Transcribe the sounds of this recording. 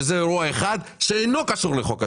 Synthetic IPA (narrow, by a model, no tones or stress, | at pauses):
zeɾuaeχad̪ʃeejno̞kaʃuʁleχoka